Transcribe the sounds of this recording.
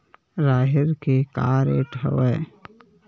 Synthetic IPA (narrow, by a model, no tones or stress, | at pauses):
ɾaːɦɪɾkekaːɾḛʈɦə̰weː